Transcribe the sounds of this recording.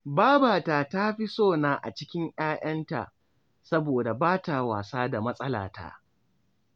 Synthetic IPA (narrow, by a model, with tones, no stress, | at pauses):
baː˦baː˨taː˨ta˦ɸi˦soː˦˨naː˨ʔa̰˨t͡ʃɪ˦kʲɪ˦ŋʔj̰aː˦ʔɐ˦nta̰˨ʔ | sɐ˦boː˨da˨baː˦ta˨waː˨saː˦da˨mɐ˦sʼɐ˦la̰ː˨ta̰˦˨ʔ